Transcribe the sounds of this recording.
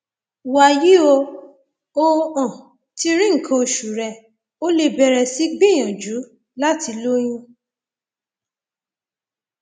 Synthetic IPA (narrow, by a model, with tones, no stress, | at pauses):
wa˨ji˨˦o˧ | o˧ɔ̃˨ | ti˧ɾĩ˦ŋ̩˨kʰã˧o˧ʃu˨ɾɛ˧ | o˦le˧bɛ˧ɾɛ˨si˨˦ɡ͡bẽ˦j̃ã˨d͡ʒu˨˦ | la˦ti˧lo˦j̃ĩ˦